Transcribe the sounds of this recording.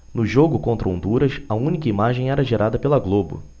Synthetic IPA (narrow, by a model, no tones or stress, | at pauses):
nʊʒoɡʊkõnt̪ɾɐõnd̪uɾɐsɐũnikɐimaʒẽj̃ɛɾɐʒeɾʔad̪ɐpelɐɡlobʊ̰